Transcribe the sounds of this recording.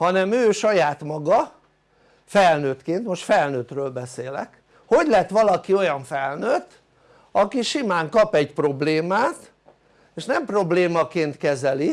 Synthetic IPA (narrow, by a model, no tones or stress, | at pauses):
hɒnɛmøːʃɒjaːt̪mɒɡɒ | fɛlnøːt̪keːnt̪mo̞ʃt̪fɛlnøːt̪røːlbɛseːlɛ̰k | ho̞ɟlɛt̪ʋɒlɒkio̞jɒɱfɛlnøːt̪ | ɒkiʃimaːŋkɒpɛɟpro̞bleːmaːt̪ | eːʃnɛmpro̞bleːmɒkeːnt̪kɛzɛli